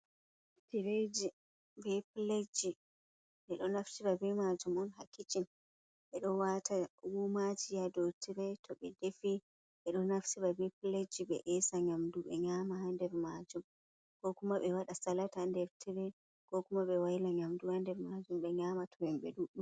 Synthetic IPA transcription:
piɾed͡ʒi | bɛpiled͡ʒi | ɓɛɗɔnaftiɾabɛmad͡ʒumɔnhakːit͡ʃin | ɓɛɗɔwatʰawumad͡ʒijadotʰiɾɛtʰɔɓɛdefi | ɓɛɗɔnafsibabɛpiled͡ʒiɓɛ̰ʔɛsaɲamduɓɛ̰ɲaːmaɦandɛɾmad͡ʒum | kɔkumaɓɛwaɗasalatandɛɾtʰiɾɛ | kɔkumaɓɛwajilaɲamduhandɛɾmad͡ʒumɓɛɲaːmatʰɔwɛmɓɛ̰ɗuɗum

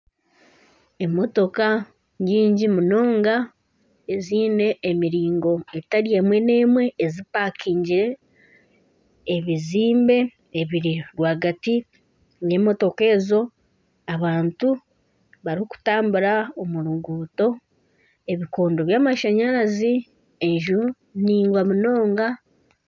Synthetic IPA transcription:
e̞mo̞to̞ka | ɲiːɲɟimuno̞ːŋɡa | eziːne̞ːmiɾiːŋɡo̞e̞taɾije̞ːmwe̞ne̞ːmwe̞ːzipaːkʰiːɲɟiɾe̞ | βiziːmbe̞ | eβiɾiɾwaːɡati | je̞ːmo̞to̞ke̞ːzo̞ | aβaːntu | βaɾihoku̥taːmbuɾaomuɾuɡuːto̞ | e̞βiko̞ːndo̞βjaːmaʃaɲaɾazi | eɲʒu | niːŋɡwamuno̞ːŋɡa

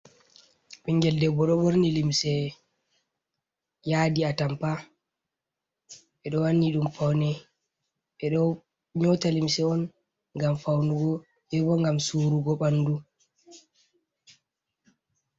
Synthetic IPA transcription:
ɓiŋɡɛldɛbɔɗɔboɾnilimsɛ | jaːdiatampa | ɓɛɗɔwanːiɗumfawnɛ | ɓɛɗɔ | ɲɔtalimsɛɔn | ŋɡamfawnuɡɔ | hɛbɔŋɡamsuːɾuɡɔɓanːdu

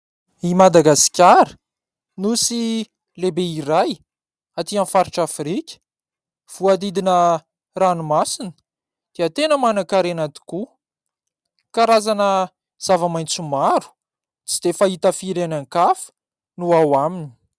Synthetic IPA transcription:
imad̪aɡasi̥kʲaɾə̥ | nusi | lebeiɾaj | at̪ianfaɾiʈ͡ʂafɾikʲə̥ | v̥uad̪id̪inə | ranumasinə̥ | d̪̥eət̪enəmanakaɾenat̪i̥ku | kaɾazanə | z̥avamajnt͡sumaɾu̥ | t͡sid̪̥efaɦit̪əfiɾanaŋkafə̥ | nuawamini̥

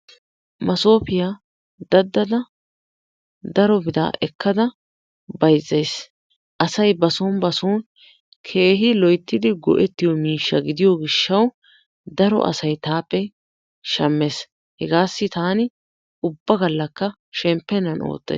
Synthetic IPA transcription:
mɐso̞ːpɪja | d̪ɐd̪ːɐd̪ɐ | d̪ɐɾɔbɪd̪a̰ːʔɛkʰːɐd̪ɐ | bɐjzːɐjs | ʔɐsɐjbɐsoːnbɐsoːn | kʰe̞ːɦɪlɔjt̪ːɪd̪ɪɡɔ̰ʔɛt̪ːɪjɔmiːʃːɐɡɪd̪ɪjɔɡɪʃːɐw | d̪ɐɾɔ̰ʔɐ̰sɐjt̪aːpːɛ | ʃɐmːeːs | hɛɡaːsːɪt̪aːnɪ | ʊbːɐɡɐlːɐkːɐ | ʃɛmpːɛnɐno̰ːt̪ːɐ̰

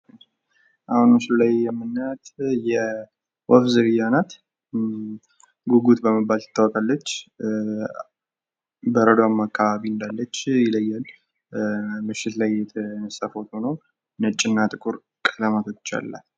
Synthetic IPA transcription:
ʔahunɨslajːɛmːɨnːət̪jɛ | wɔfzɨɡɨjanat̪ | ɡuɡut̪bəməbːalt̪ə̥t̪ʰːawɔkʼalːət͡ʃː | bəɾəd̪oamːakʰːaβaβiɨnd̪alːət͡ʃːjɪləjːal | mɨʃːɪt̪lajːɛt̪ʰənəsafot̪onəw | nət͡ʃʼɪnːat̪ʼɨkʼuɾ | kʼəlamat̪ʰo̞t͡ʃːa̰lːa̰

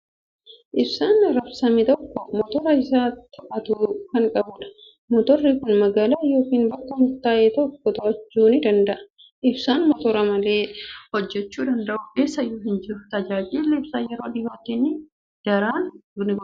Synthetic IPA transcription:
ʔɪbsaːnɾɐfsɐmɪt̪ɔkːɔmɔt̪ɔɾɐɪsaːt̪ːɐʔɐt̪ʊkɐŋkʼɐbʊᶑɐ̥ | mɔt̪ɔrːikʊnmɐɡaːlaːjoːkiːnbɐk̪ːɐnʊt̪ːaːʔɛt̪ɔkːɔt̪ɔɐd͡ʒt͡ʃːuːnɪd̪ɐnd̪ɐʔɐ̥ | ʔɪbsaːnmɔt̪ɔɾɐmɐle̞ːhɔd͡ʒːɛt͡ʃːuːd̪ɐnd̪ɐʔʊe̞ːsːɐjoːɦɪnd͡ʒɪɾʊt̪ɐd͡ʒaːd͡ʒɪːlːɛɪbsaːjɛɾo̞ːᶑɪjoːt̪ːinɪ | d̥ɐɾaːnnɪɡɔ

